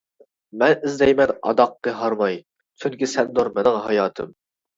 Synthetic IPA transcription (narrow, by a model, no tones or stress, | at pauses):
mɛnɪzd̪ɛjmɛnɑ̰d̪ɑqːəɦɑɾmɑj | t͡ʃʰyŋkʲisɛnd̪oɾmɪnɪŋɦɑjɑːt̪ʰɨ̰m